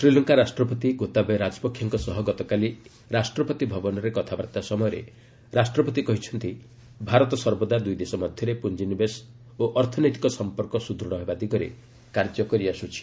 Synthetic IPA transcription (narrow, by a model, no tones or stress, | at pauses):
sɾilɔŋkaɾasʈɾɔpɔt̪iɡot̪abeɾad͡ʒɔpɔkʰːjɔŋkɔsɔɦɔɡɔt̪ɔkali | ɾasʈɾɔpɔt̪ibʱɔbɔnɔɾekɔt̪ʰabat̪asɔmɔjɔɾḛ | ɾasʈɾɔpɔt̪ikɔɦit͡ʃʰɔnt̪i | bʱaɾɔt̪ɔsɔɾbɔd̪ad̪ujd̪esɔmɔd̪ʱjɔɾepund͡ʒinibes | oʔɔɾt̪ʰɔnɔjt̪ikɔsɔmpɔɾkɔsud̪ɾɔɽ̃ɔɦebad̪iɡɔɾḛ | kaɾd͡ʒɔkɔɾiasut͡ʃʰi̥